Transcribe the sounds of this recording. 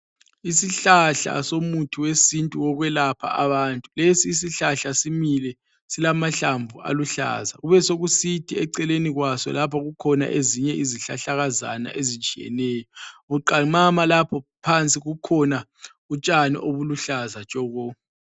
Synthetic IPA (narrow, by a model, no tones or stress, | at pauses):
isiɬaɬa̰somutʰiwesintʼuɔɣwɛlapʰa̰ʔaβaːntʼulesiːs̬iɬaɬasimilɛ | silamaɬaɱbvʱuʔa̰luɬa̰zaɣuβɛsoɣusitʰiɛǀɛleniɣwasɔ̰lapʰaɣukʰɔna̰ʔeziɲɛʔiziɬa̰ɬaɣaza̰na̰ʔezit͡ʃʼijɛ̰nɛːjɔuǃaŋ͡ǃamalapʰɔpʰant͡sʼiɣukʰɔna | ut͡ʃʼanḭʔoβuluɬazat͡ʃʼɔːɣɔ